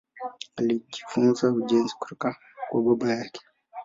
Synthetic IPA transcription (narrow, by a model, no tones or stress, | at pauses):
alid͡ʒifunzaud͡ʒɛnzi̥ku̥tɔka | kwaɓɔɓajakɛ̥